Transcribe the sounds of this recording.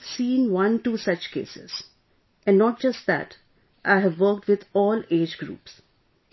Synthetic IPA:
siːɪ̃ŋʋʌ̃nʈuːsʌt͡ʃkḛːsɪ̰z̥ | ʔɛ̃nɖnɔːʈ̚d͡ʒʌsʈ̚d̪æ̰ʈ | ʔaɪɦɛʋːəɾk̚ʈʋɪd̪ɔːleːd͡ʒɡɾṵːps

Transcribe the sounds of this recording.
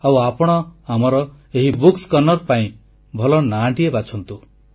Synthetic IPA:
awapɔɽ̃ɔamɔɾɔ | eɦibukskɔnɔɾpaĩ | bʱɔlɔnaɖiebat͡ʃʰɔnt̪u

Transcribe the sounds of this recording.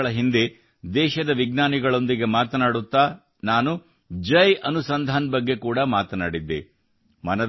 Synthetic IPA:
ɭɐɦind̪e | d̪ɛːʃɐd̪ɐʋiɡnaːniɡɐɭo̞nd̪iɡe̞maːt̪ɐnaːɽut̪ːaː | naːnu | d͡ʒɐjɐnusɐnd̪ʱaːnbɐɡːe̞kuːɽɐmaːt̪ɐnaːɽid̪ːḛ | mɐnɐ

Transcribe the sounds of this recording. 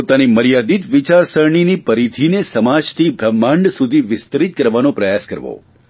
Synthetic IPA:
ot̪animəɾjad̪it̪ʋɪt͡ʃaɾsəɾɳ̃inipəɾit̪ʰinesəmad͡ʒt̪ʰibʱɾəmːãɳɖsud̪ʱiʋɪst̪əɾit̪̚kəɾʋanopɾəjaskəɾʋo̰

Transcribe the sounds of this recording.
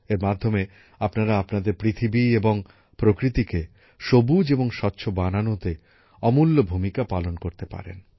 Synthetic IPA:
eɾmad̪ʱːome | apnaɾaapnad̪eɾpɾit̪ʰibieboŋ | pɾokɾit̪ike | ʃobud͡ʑeboŋʃɔtːɕʰobananot̪e | ɔmulːobʱumikapalonkoɾt̪epa̰ɾḛn

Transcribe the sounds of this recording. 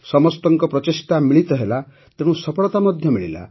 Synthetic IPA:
sɔmɔst̪ɔŋkɔpɾɔt̪isʈamiɭit̪ɔɦela | t̪eɽ̃ũsɔpɔɭɔt̪amɔd̪ʱjɔmiɭila̰

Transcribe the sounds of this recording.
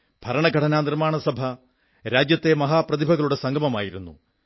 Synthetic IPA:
b̥ʱɐɾɐɳɐɡʱɐʈʰɐnaːnirmaːɳɐsɐbʱɐ | ɾaːd͡ʑjɐt̪ːe̞mɐɦaːprɐd̪ibʱɐɣɐɭuɽe̞sɐŋɡʱɐmɐma̰ːjiɾunːṵ

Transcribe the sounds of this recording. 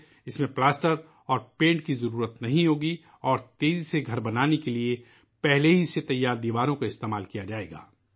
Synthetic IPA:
ɪsmẽplaːsʈəɾ | ɔːɾpẽːɳʈkizɐɾuːɾət̪nɐɦĩɦoːɡi | ɔːɾt̪eːziseɡʱɐɾbɐnaːnekelie | pɛɦleɦiset̪ɐjːaːɾd̪iːʋaːɾõkaɪst̪eːmaːlkijad͡ʒaːḛːɡa̰ː

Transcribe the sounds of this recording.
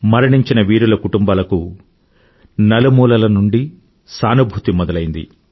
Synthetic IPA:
mɐɾɐɳiɲt͡ʃinɐʋiːɽulɐkuʈumbaːlɐku | nɐlumuːlɐlɐnuɳɖi | saːnubʱuːt̪imɔd̪ɐlɐjind̪ḭ

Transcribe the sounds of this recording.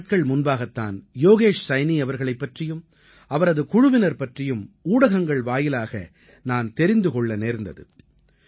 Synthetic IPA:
ʈ̚kɐɭmʊnbaːɣɐt̪ːa̰ːnjoːɣeːʂsɐɪniɐʋɐɾɣɐɭɐɪpːɐʈrɪjɯm | ɐʋɐɾɐðɯkʊɻʊʋɪnɐɾpɐʈrɪjɯmuːɽɐɣɐŋɡɐɭʋaːjɪlaːɣɐ̰ | naːnt̪ɛɾɪnd̪ɯkɔɭːɐneːɾnd̪ɐðɯ̰

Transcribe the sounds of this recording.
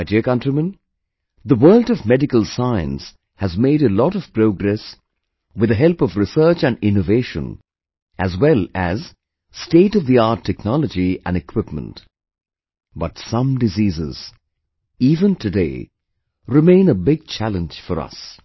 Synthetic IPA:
aɪdiəkʌ̃ntɹimə̃n | ðəwɜ˞ltʌvmɛdɪkəlˠsaɪɨ̰̃ns | hɨzmeɪɾəlɔɾʌv̥pɾoʊɡɾɛs | wɨðəɦɛlˠpʌvɹɨsɜ˞t͡ʃɨ̃nɪ̃noveɪʃə̰̃n | ʔɨzwɛlˠɨz̥ | steɪɾʌvðiaɹtʰːɛknɔləd͡ʒiɨ̃nɨkʰw̥ɪpmə̰̃nt | b̥ʌtsʌ̃mdɨziːzɪ̰z̥ | ivə̃ntʰɨdeɪ | ɹɨmẽɪ̃nəbɪɡ̚t͡ʃʰælə̃nd͡ʒ̥fɔɾʌ̰s

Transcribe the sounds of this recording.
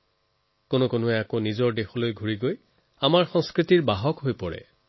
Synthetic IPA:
konʊkonʊɛakonizɔɹdexɔlojɡʱuɹiɡoj | amaɹxɔŋskɹitiɹbaɦɔkɦojpɔɹɛ̰

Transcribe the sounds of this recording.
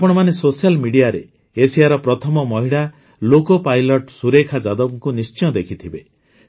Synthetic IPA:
apɔɽ̃ɔmanesosijalmiɽijaɾeː | siaɾɔpɾɔt̪ʰɔmɔmɔɦiɽa | lokɔpajlɔʈsuɾekʰad͡ʒad̪ɔbŋkunist͡ʃiɔd̪ekʰit̪ʰibe

